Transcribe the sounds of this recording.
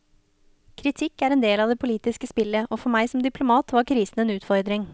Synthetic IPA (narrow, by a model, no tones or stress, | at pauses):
kʰɾɪt̪ʰɪkːæɾɛnd̪eːlɑʋd̪ɛːpʰʊliːt̪ɪskəspɪlːəʔɔːfɔɾmæɪsɔmd̪ɪpʰlʊmɑːt̪ʋɑɾkʰɾiːsn̩eːnʉːt̪fɔɾd̪ɾɪŋ